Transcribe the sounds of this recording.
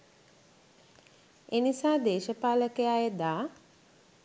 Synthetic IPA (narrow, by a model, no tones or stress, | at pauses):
enisaːd̪eːʃəpaːləkəjajəd̪aː